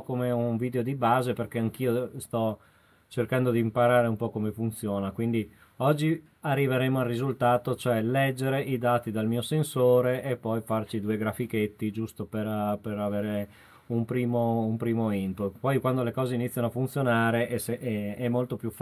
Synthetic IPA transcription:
komeunviːd̪eod̪ibaːzeperkeaŋk̟iːost̪ɔ | t͡ʃerkand̪od̪iːmpaɾaːɾeumpɔkomefunt̪sjoːnakwind̪i | ɔd͡ʒːi | arːiveɾeːmoarːizult̪aːt̪ot͡ʃoɛlɛd͡ʒːeɾeʔid̪aːt̪id̪almiːosensoːɾeʔːpːɔjfart͡ʃid̪uːeɡɾafiket̪ːid͡ʒust̪operperaveːɾe | umpɾiːmoumpɾiːmoinp̪ut̪pɔjkwand̪olekɔːzeinit̪sːjanoafunt̪sjonaːɾeʔɛseʔɛɛmːolt̪opjuf

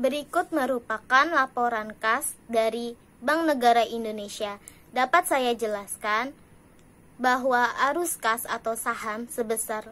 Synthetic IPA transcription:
bəɾikʊt̪̚məɾupakanlapoɾankasdaɾi | baŋnəɡaɾaʔindonesia | dapat̪̚sajad͡ʒəlaskan | baɦwaʔːɾuskasat̪awsaɦamsəbəsar

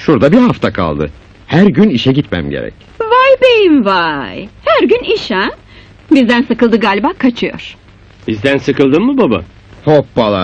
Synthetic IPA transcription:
ʃuɾd̪abiɾhaft̪ʰakʰa̰lˠd̪ɯ̰ | hæɾɟyniʃɛɟit̪mæ̰mɟeɾɛ̰c | vajbejimvajhæɾɟyniʃæm | bizd̪ænsɯkɯlˠd̪ɯɡaːlʲbakʰat͡ʃʰɯjo̰ɾ̥ | bizd̪ænsɯkɯlˠd̪ɯnmɯbaba̰ | hopːalˠa̰

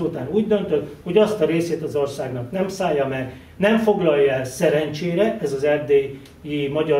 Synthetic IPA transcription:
uːt̪aːnuːɟd̪ø̞nt̪øt̪ho̞ɟɒst̪ɒɾeːseːt̪ɒzorsaːɡnɒknɛmsaːjːɒmɛr | nɛɱfo̞ɡlɒlːɛlsɛɾɛnt͡ʃeːɾɛʔɛzɒzɛrd̪eː | jimɒɟɒ

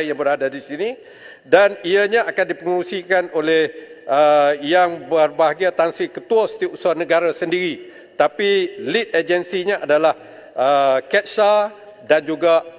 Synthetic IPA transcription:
jaŋbəradadisinĩ | daniəɲãakandipəŋuɾusikanolɛh | əjaŋbərbaɦaɡiat̪ansikət̪uasə̥t̪iusuanəɡaɾasəndiɾi | t̪apilit̪̚ed͡ʒənsiɲãʔadalah | əkɛt̪̚sa | dand͡ʒuɡa

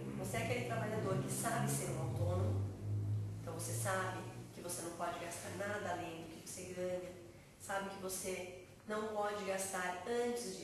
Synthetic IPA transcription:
voseɛakelɪt̪ɾabaʎad̪oɾkɪsabɪseɾũawt̪onõmʊẽt̪ɐ̃w̃vosesabɪkɪvosenɐ̃w̃pɔd͡ʒɪɡast̪aɾnad̪ɐalẽj̃d̪ʊkɪvoseɡɐ̃ɲɐ | sabɪkɪvose | nɐ̃w̃pɔd͡ʒɪɡast̪aɾɐ̃t͡ʃɪzd͡ʒɪ

